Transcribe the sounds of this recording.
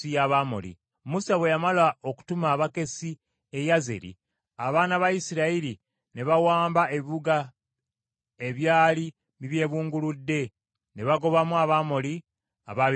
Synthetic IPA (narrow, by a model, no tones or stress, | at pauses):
ijaβamo̰lḭ | musaβwe̞jamalao̞ku̥tumaːβake̞si | e̞jaze̞̰ɾḭ | aβaːnaβajisiɾaiɾi | ne̞βawaːmbae̞βiβuɡa | e̞βjaːli | βiβje̞ːβuːŋɡuludːe̞ | ne̞βaɡo̞βamuaβaːmoli | a̰βa